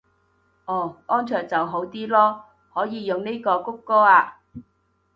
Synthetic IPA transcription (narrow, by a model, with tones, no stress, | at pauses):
ʔɔː˨˩ʔɔː˥nt͡ʃʰœː˨ŋ̚t͡sɐ˨wɦo˨˥wt̪iː˥lɔː˥ | hɔː˨˥jiː˨˧jʊ˨ŋne˥jkɔː˧kʊ˥kːɔː˥aː˧